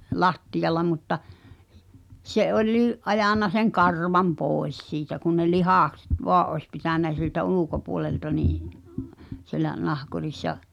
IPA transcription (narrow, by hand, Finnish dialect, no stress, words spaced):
lɑtːijɑlˑɑ mutːɑ se olʲliːʔ ʔɑjɑˑnːɑ seŋ kɑrʋɑm poˑes siːtæ kun ne lihɑˑkset ʋoɑʔ ʔoĕs pitæˑnæ siltæ ulukopuoleltɑ niːʔ sielæ nɑhkurisːɑ